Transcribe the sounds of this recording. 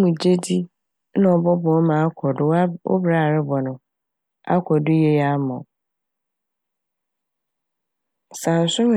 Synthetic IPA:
mũ˨d͡ʑe˦di˦ | nã˦ɔ˨bɔ˦bɔ̃˨ɔ˦mã˨a˦kʷʰɔ˨dʊ˦o̰˦bɾaː˦˨ɾɪ˦bɔ˨nʊ̃˨ | a̰˦kʰɔ˨dʊ˦je˨ja˦mɔ̃˨ | sã˨n̩˨sʊ˦m˨

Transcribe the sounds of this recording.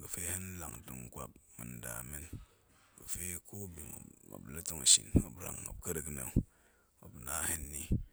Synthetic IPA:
ɡə˨fe˦hi˦n˦la˨ŋ˨ti˨ŋ˨kʷa˨p̚mɨ̰˨nda˨mi˦n | kə˨fe˦ko˦bi˨ŋ˨a̰˨blə˦ti˦ŋa˨ʃḭ˨n˦o˨bɾa̰˨ŋa̰˨bkə˦ɾə˨kne˨ | o˨pu˨na˦hi˦nːi˦

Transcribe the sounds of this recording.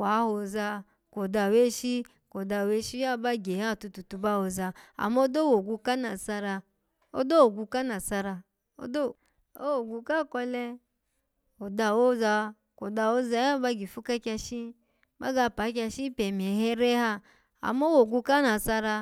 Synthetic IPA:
a˨˦ho˨za˧ | ko˨da˨we˦ʃi˦ | ko˨da˨we˦ʃi˦a˦˨ba˧ɡe˨ha˦˨tu˧tu˨tu˧ba˦wo˨za˧a̰˨mo˦do˦wo˨ɡu˧ka˦na˨sa˧ɾa˧ | o̰˦do˦o˨ɡu˧ka˦na˨sa˧ɾa˧ | o̰˦do˦ | o˦o˨ɡu˧ka˦˨kɔ˧lɛ˧ | o˨da˨wo˦za˧ | ko˨da˧˨wo˦za˧˦a˦ba˧ɡi˨fu˦ka˦kʲa˧ʃi˦ | ba̰˦ɡa˧˨pa˨˦k̬ʲa˧ʃi˦pɛ˨m˨e˨hɛ˦ɾe˦ha˦ | a̰˨m˦o˦wo˨ɡu˧ka˦na˨sa˧ɾa˧

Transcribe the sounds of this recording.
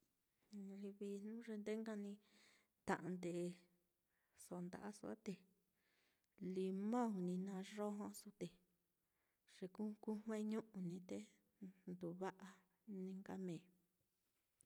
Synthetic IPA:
i˧βi˧nũ˦ʐe˧nd̪e˦ŋɡa˧nĩ˧ | t̪ã̰˨ʔã˧nd̪e˨˧ | so˧˨˧nd̪a̰˨ʔa˦su˧a̰˦t̪e˧ | li˧mã˦u˨nĩ˧nã˧ʐo˦ɦõ˧su˧t̪e˨ | ʐ̥e˧ku˦ku˦m˦ẽ˦ɲũ˦ʔũ˧nĩ˧t̪e˦ | nd̪u˨βa˦ʔa˧ | nĩ˧ŋɡa˦mẽː˨

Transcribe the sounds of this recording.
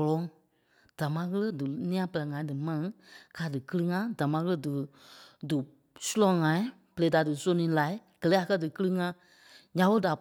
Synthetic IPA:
ɔ˨lɔ̃˨˧˦ŋ | d̥a˨mã˧˦ɣə˦lə˦dɨ˨nĩ˦ã˧pə˨lɜ˨ŋã˨˦dɨ˨mã˧nĩ˨˦ka˨˦dɨ˨kɨ˦lɨ˦ŋã˦da˨mã˧˦ɣə˦lə˦dɨ˨dɨ˨ | su˦lɔ̃˧˦ŋã˨ĩ˦ | b̥ə˨le˨˦da˨dɨ˨so˧˦nĩː˨˦laː˨˦ɡ̥ɜ˨lɛː˨˦a˨kɜ˦dɨ˨kɨ˦lɨ˦˧ŋã˦ | ɲã˨˦ɓə˧˦da˨

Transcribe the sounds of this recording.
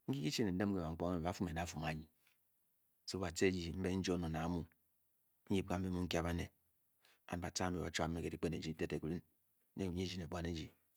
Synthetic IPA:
ŋ̩˦ki˦ki˦t͡ʃe˦ne˨n̩˦de˦m˦ke˨a˨ŋ̩˦o˦e˦m̩˨ba˨˦fu˦me˨da˨˦fu˨ma˨˦ɲi˨˦ | so˦ba˨te˦d͡ʒi˨m̩˦be˦n̩˦d͡ʒo˦no˨na˨˦mu˦ | n̩˦ji˦p̚ka˦m̩˦be˦mu˦ŋ̩˦kja˦ba˦ne˨ | a̰˨n˨ba˨ta˦u˨a̰˨˦t͡ʃa˦˨˦mːe˨ke˨di˨˦k͡pe˦ne˨d͡ʒi˨˦te˦te˨ku˨li˦n˦ | e˦u˨ɲe˦d͡ʒi˦ne˨bʷwa˦ne˦d͡ʒi˨

